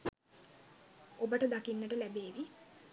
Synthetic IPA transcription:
obəʈəd̪akinːəʈəlæbeːʋi

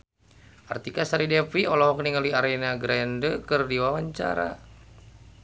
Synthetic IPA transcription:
a̰rt̪ikasaɾidɛpiɔlɔɦɔkniŋaliaɾɛnaɡɾɛndəkɨrdiwawaɲt͡ʃa̰ɾa̰

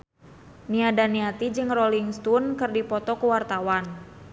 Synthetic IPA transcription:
niadaniat̪id͡ʒɨŋrɔliŋst̪unkɨrdipɔt̪ɔkuwart̪awan

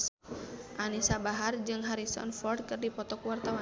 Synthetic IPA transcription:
ʔanisabaɦard͡ʒɨŋɦaɾisɔ̰nfɔrd̚kɨrdipɔt̪ɔkwart̪awa

